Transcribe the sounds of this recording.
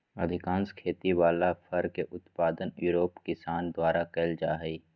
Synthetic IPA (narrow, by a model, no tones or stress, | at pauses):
ɐd̪ʱɪkãːnskʰeːt̪iwaːlafʰəɾkeʔʊt̪paːd̪ənjuːɾoːpkɪsaːnd̪waːɾakeld͡ʒaːɦɛi